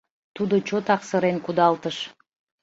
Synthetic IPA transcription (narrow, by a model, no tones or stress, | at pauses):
t̪ud̪ot͡ɕot̪ɑqsəɾenkud̪ɑlˠt̪əʃ